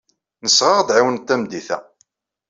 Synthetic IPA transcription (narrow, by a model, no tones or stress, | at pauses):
nəsːʁɑʁd̪ʕiwənt̪ːæmd̪iθæ̰